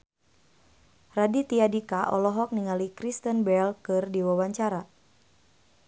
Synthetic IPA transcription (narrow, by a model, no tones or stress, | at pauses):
radit̪iadikaʔɔ̰lɔɦɔk̚niŋalikɾist̪ənbɛlkɨrdiwawaɲt͡ʃaɾa